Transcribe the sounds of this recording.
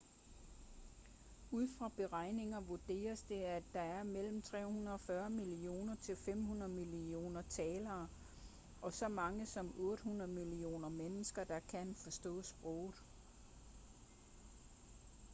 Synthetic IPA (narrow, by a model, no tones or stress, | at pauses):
uð̰ˠfʁɑ̈b̥e̝ʁɑ̈ɪne̝ŋɐʋoɐd̥e̝̰ːɐsd̥e̝æd̥ɑ̈æɐmel̰m̩t͡sʰʁɛ̰hunðɐɒ̽fɶɐmilio̝̰ːnɐt͡sʰe̝lfem̰hunɐð̩ˠmilio̝̰ːnɐt͡sʰɛːlɐː | ʔɒ̽sɒ̽mɑ̈ŋəsɒ̽mɔ̽ːɾ̥əhunɐð̩ˠmilio̝̰ːnɐmenəsɡ̥ɐd̥ɑ̈kʰænfɒ̽sd̥ɔ̰̽ːsb̥ʁɔ̰ːð̩ˠ